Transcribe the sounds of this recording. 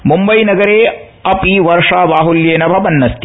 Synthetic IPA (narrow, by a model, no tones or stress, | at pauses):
mumbɐjnɐɡɐɾeː | ɐpiʋɐɾʂaːʋaːɦuljeːnɐbʱɐbɐnːɐst̪i